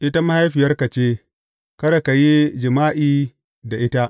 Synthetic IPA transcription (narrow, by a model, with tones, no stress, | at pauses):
ʔɪ˦ta˦ma˦ha˦jɸi˨jɐ˦rkɐ˨t͡ʃeː˦ | kɐ˦ɽa˨ka˨ji˦d͡ʒɪ˨maː˦ʔiː˦ | da˨ʔɪ˦ta˦ʔ